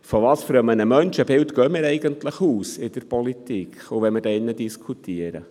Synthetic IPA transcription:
fɔʋɑːsføɾəmənəmœnʃəbɪltɡøːmɪːɾɛɪɡəntləχuːsɪd̥əɾpɔlitikʰχuʋɛmɪɾdɛɪnːədiskʰutʰiəɾə̰

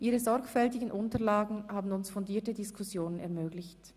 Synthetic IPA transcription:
ʔiːʁəzɔʁkfɛltɪɡn̩ʔʊntɐlaːɡŋ̩haːbn̩ʊnsfɔndiːɐtədɪskʰʊsjoːnənɛɐmøːɡlɪçt

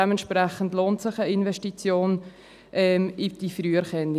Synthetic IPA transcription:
ɛməntʃpʁɛχəndloːntsɪχəinvɛʃtit͡sjoːn | ʔɛmɪd̥ifɾyːəɾχɛni

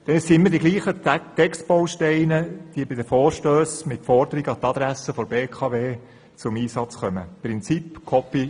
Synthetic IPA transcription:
d̪̥ɛnsiɪmːədiɡliːχət̪ɛkstb̥owʃtɛɪnəd̥iəbɪd̪əfɔːɾʃtøːsmɪt̪fɔɾd̪əɾiɡɑt̪ɑd̪ɾæsəfɔɾbeːkʰɑʋeː | t͡sʊmiːsɑt͡sχœmə̰pɾɪnt͡sipkʰɔpːi

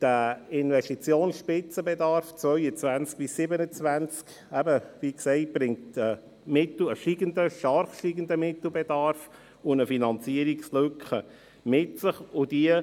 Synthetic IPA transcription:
d̥əɪnvɛstit͡sjoːnsʃpɪt͡səbɛdɑɾft͡svœʏət͡svænt͡sk̚b̥ɪsːɪbənət͡svænt͡sk | ɛbəviːksɛɪt̚b̥ɾɪŋtə | mɪtl̩əʃiːɡəndəʃtɑrχʃtiɡəndəmɪtl̩ˠbɛdɑɾf | ʊnəfinɑnt͡siəɾikslʏkχə | mɪtsəχʊd̥iə

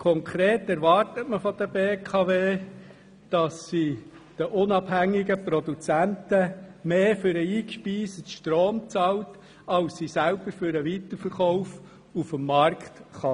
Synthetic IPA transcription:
kʰɔŋkʰɾeːtɛɾʋɑrtətməfɔd̪əbeːkʰɑveː | d̥ɑsːi | d̥əʔʊnɑbhæŋːɪɡəprɔd̪ut͡sæntəmeːfʏɾəiːkʃpiːsətʃtɾoːmt͡sɑlt | ɑlssisælb̥əɾfʏɾəʋit̪əɾfəɾχɔʊf | ufəmːɑrktχɑ

